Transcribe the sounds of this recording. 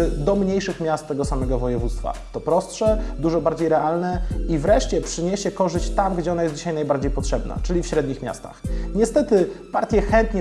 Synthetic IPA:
d̪ɔmɲejʂɘxmʲjast̪t̪ːɛɡɔsamɛɡɔvɔjɛvut̪st̪fa̰t̪ɔpɾɔstʂɛd̪uʐɔbaɾd͡ʑejɾɛʔalnɛivɾɛʂt͡ɕɛpʂɘɲeɕɛkɔʐɘɕt͡ɕt̪amɡd͡ʑɛɔnajɛsd͡ʑiɕajnajbaɾd͡ʑejpɔtʂɛbna̰t͡ʂɘlʲifɕɾɛd̪ɲixmʲja̰st̪a̰xɲɛst̪ɛt̪ɘpaɾt̪ʲjɛxɛnt̪ɲɛ

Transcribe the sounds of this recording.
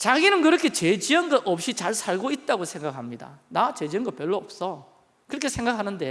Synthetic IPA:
t͡ɕaɡinɯnkɯɾʌkʰe̞t͡ɕed͡ʑiʌnɡʌʔʌp̚ɕ͈it͡ɕaɭsʰaɭɡoit̚t͈aɡosʰe̞ŋɡakʰamɲida̰nat͡ɕe̞d͡ʑiʌnɡʌp͈jʌɭːoʌp̚s͈ʌ | kɯɾʌkʰe̞sʰe̞ŋɡakʰanɯnde̞

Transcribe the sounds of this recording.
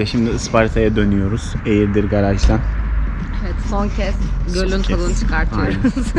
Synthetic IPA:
ɛʃimd̪iɯspaɾt̪ʰajad̪ø̞nyjo̞ɾuz̥ejiɾd̪iɾɡaɾat͡ʃd̪æn | evɛt̪soncʰɛsɟølʲynʲtʰalˠɯːnt͡ʃʰɯ̥kʰaɾt̪ʰɯjoɾuz̥

